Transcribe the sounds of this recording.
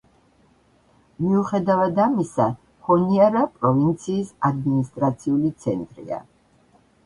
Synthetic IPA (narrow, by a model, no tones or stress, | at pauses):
miuχɛd̪avad̪amisa | hɔniaɾapʼɾɔvint̪sʰiːsad̪minist̪ʼɾat̪sʰiulit̪sʰɛ̰nt̪ʼɾḭa̰